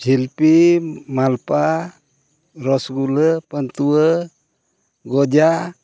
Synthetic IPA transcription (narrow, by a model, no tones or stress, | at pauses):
d͡ʒʱilpimalpa | ɾɔsɡuləpənt̪uwə | ɡɔd͡ʒa